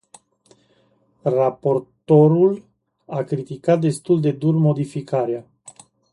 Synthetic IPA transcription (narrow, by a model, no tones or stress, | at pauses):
rapo̞rt̪o̞ɾul | akɾit̪ikat̪̚d̪e̞st̪uld̪e̞d̪urmo̞d̪ifikʰaɾea